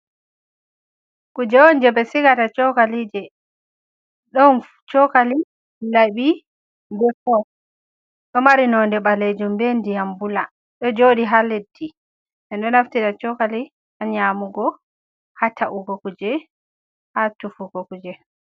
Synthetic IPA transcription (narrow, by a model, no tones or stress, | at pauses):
kud͡ʒɛwɔnd͡ʒɛbɛsikatat͡ʃɔkalid͡ʒɛ | ɗɔn | t͡ʃɔkali | laɓi | mbɛkɔ | ɗɔmaɾinɔndɛɓaled͡ʒumbendijambula | ɗɔd͡ʒoɗiɦaledːi | ʔɛnɗɔnaftitat͡ʃɔkali | aɲamuɡɔ | hataʔuɡɔkud͡ʒɛ | hatufuɡɔkud͡ʒɛ